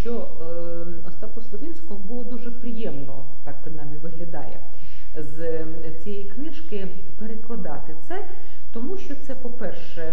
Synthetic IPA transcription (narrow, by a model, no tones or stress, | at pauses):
ʃt͡ʃɔ | ɔst̪ɑkʊslˠɔʋʲinʲsʲkɔɦʊbʊlˠɔd̪uʒɛpɾʲɪjɛmnɔ̰ | t̪ɑk̚pɾɪnɑjmʲiʋɪɦlʲɐd̪ɑ̰jɛ̰ | z | t͡sʲijɛjknɪʃkɪ | peɾeklˠɐd̪ɑt̪ɪt̪sɛ | t̪ɔmuʃt͡ʃɔt̪sɛpɔpɛrʃ | ɛ